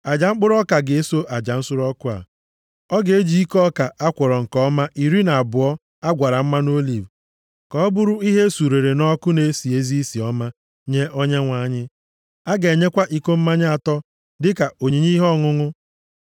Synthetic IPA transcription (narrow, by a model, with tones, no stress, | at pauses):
a˨d͡ʒa˨ŋ͡m̩˦k͡pʊ˦ɾɔ˦ka˨ɡɪ˨e˦so˦ʔa˨d͡ʒa˨n̩˦sʊ˦ɾɔ˦kʊ˦a̰˨ | ɔ˦ɡe˦d͡ʒi˦i˦kɔ˦ka˨ʔa˦kʷɔ˨ɾɔ˨ŋ̩˨kɔ˦ma˦ʔi˨ɾi˦na˨a˨bʊ˨ɔ˦ | a˦ɡʷa˨ɾa˨m̩˦ma˦no˦li˨v | kɔ˨ɔ˦bʊ˦ɾʊ˦i˦ɦe˦su˨ɾe˨ɾe˨nɔ˦kʊ˦ne˦si˨e˦zi˦i˦si˨ɔ˦ma˦ | ɲe˦ʔɔ˦ɲe˦ŋʷa˨˦ɲɪ˦ | a˦ɡe˨ɲe˦kʷa˦ʔi˦ko˦m̩˦ma˦ɲa˦a˨tɔ˦ | dɪ˦ka˨o˨ɲe˨ɲi˦ɦɔ˦˨ŋʊ˦ŋʊ˦